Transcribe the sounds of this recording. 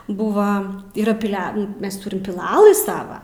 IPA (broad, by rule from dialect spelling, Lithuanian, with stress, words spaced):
ˈbʊʋɐ iːˈrɐ pʲɪˈlʲɛ ˈmʲɛs ˈtʊrʲɪm pʲɪˈlˠɑːlˠɨ ˈsɑːʋɐ